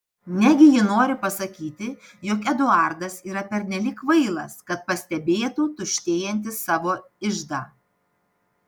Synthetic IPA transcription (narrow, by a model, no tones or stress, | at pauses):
nʲɛɡʲɪjɪnoːɾʲɪpɐsɐkʲiːt̪ʲɪjoːkɛd̪ʊɑˑɾd̪ɐsiːɾɐpʲɛɾʲnʲɛlʲɪːkʋɐɪlˠɐ̰skɐt̪̚pɐsʲt̪ʲɛbʲeːt̪uːt̪ʊʃʲt̪ʲeːjɛnʲt̪ʲɪsɑːʋoː | ɪʒd̪ɑː